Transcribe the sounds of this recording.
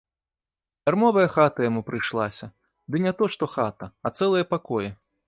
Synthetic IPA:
bʲarmɔvɐjɐxat̪ɐjamupɾɨjʂlˠasʲɐ | d̪ɨnʲɛt̪ɔʂt̪ɔxat̪ɐɐt̪sɛlˠɐjɐpakɔjɛ

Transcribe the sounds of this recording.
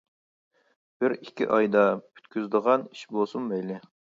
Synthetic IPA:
b̥ɪɾikʲʰḭʔɑjd̪ɑpʰy̥t̪kʲyzd̪əʁɑni̥ʃbolˠsumbɛjlɪ

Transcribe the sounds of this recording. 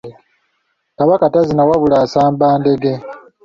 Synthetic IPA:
kaβakatazinawaβulaːsaːmbaːnde̞ɡe̞

